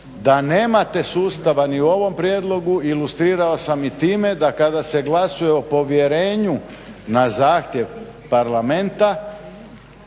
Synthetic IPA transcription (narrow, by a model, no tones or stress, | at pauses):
d̪aneːmat̪e̞suːst̪aʋaniuo̞ʋo̞mpɾjeːd̪lˠo̞ɡuilust̪ɾiːɾao̞samit̪iːme̞d̪akad̪ase̞ɡlasuje̞opo̞ʋje̞ɾe̞ːɲu | nazaːxt̪je̞ʋpaɾlament̪a